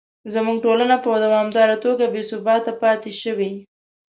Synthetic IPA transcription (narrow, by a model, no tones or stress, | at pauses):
zamuɡ̚ʈolanapəd̪awɑmd̪ɑɾat̪oɡabesʊbɑt̪apɑt̪eʃəwi